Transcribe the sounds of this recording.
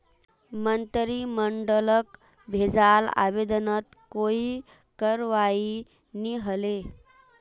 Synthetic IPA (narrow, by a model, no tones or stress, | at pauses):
mənt̪əɾiməɳɖələk | bʱed͡zala̰ʋed̪ənət̪koi | kəɾʋai | niɦəle